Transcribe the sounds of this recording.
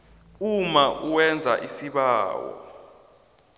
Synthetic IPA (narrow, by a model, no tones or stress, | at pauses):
umaʔuwɛnd͡zʱaʔisiɓaːwɔ̰